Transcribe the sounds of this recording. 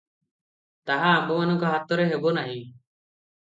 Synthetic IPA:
t̪aɦaːmbɔmanɔŋkɔɦat̪ːɔɾeɦebɔnaɦĩ

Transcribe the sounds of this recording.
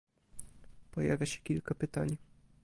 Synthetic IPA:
pɔja̰vʲjaɕɛ̥kʲilkapɘt̪aɲ

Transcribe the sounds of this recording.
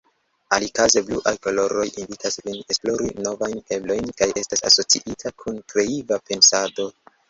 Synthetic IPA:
alikaze̞bluʔajko̞lo̞ɾo̞jinvitʰasvine̞splo̞ɾino̞vajne̞blo̞jnkaje̞stasa̰so̞t͡siʔitʰakʰunkɾe̞ivape̞nsado̞

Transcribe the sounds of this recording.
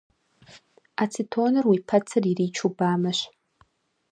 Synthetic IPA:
at͡sʰitʰoːnɨrwipʰɐt͡sʰɨririːt͡ʃʰubaːmɐɕʷ

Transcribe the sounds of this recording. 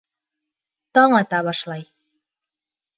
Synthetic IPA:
t̪ɑɴɑt̪ɑβɑʃlˠɑj

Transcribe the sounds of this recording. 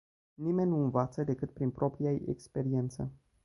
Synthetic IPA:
nime̞nʲnuɨnvat̪səd̪e̞kɨt̪̚pɾinpɾʔo̞pɾijaḛkspe̞ɾie̞nt̪sə̰

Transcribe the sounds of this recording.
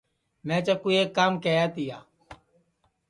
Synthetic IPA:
mɛ̃ːt͡ʃaːkuiːeːkːaːmkeːjaːt̪iːaː

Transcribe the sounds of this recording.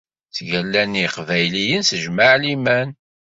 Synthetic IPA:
θʝælːæniqvæjlijənsəʒmaʕlimæn

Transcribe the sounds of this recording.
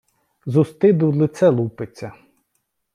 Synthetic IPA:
zʊst̪ɪd̪ulˠɪt̪sɛlˠupet͡sʲːɐ

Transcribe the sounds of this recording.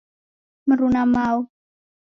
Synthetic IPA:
məɾunamaw

